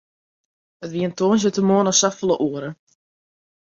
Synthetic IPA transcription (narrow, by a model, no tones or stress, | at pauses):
ətʋiəəntoːnsjətəmoənɔsafəlˠəʔuəɾə